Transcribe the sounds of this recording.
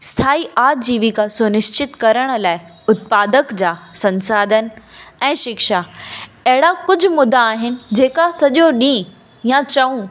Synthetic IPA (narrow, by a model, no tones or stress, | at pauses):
st̪ʰaːiʔaːd͡ʑiːʋikʰasʊnɪʃt͡ɕɪt̪kɐɾəɽ̃laːɪ | ʊt̪̚paːd̪əkd͡ʑaːsɐ̃nsaːd̪ʱənɪ̆ɛ̃ːʃɪkʃaɐɦɪɽakʊd͡ʑʱʊ̆mʊd̪ʱaːɦɪnɪ̆d͡ʑeːkasɐʄoɗĩː | jãt͡ɕɐũ